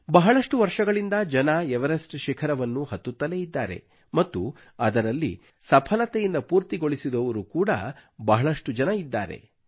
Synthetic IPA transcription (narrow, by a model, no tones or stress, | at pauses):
bɐɦɐɭɐʂʈuʋɐɾʂɐɡɐɭind̪ɐd͡ʒɐnɐɛʋɐɾɐsʈʃɛkʰɐɾɐʋɐnːuhɐt̪ːut̪ːɐleid̪ːaːɾe̞̰ | mɐt̪ːu | ɐd̪ɐɾɐlːḭ | sɐpʰɐlɐt̪ejind̪ɐpuːɾt̪iɡo̞ɭisid̪ɔʋɐɾukuːɽɐ̰bɐɦɐɭɐʂʈud͡ʒɐnɐid̪ːa̰ːɾe̞̰